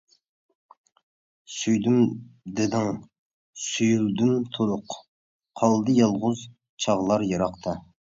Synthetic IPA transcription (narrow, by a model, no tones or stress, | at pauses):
syjd̪ymd̪ɪd̪ɪŋ | syjyld̪ymt̪ʰoɾʊq | qʰɑlˠd̪ɨjɑlˠʁʊz | t͡ʃʰɑʁlˠɑɾjɑɾɑqt̪ʰɑ